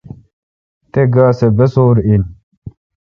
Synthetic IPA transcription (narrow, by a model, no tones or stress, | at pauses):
t̪eɡaːsebesoːɾin